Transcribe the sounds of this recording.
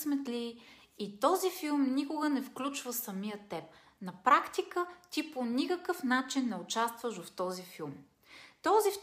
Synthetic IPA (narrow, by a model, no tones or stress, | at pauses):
smɛt̪lʲiː | t̪ɔzifilˠmnikʊɡənɛfklʲut͡ʃvəsɐmijət̪ɛp̚ | nɐpɾakt̪ikət̪ʲiponikəkəfnat͡ʃinːɛʊt͡ʃast̪vəʒoft̪ɔzifilˠm | t̪ɔzif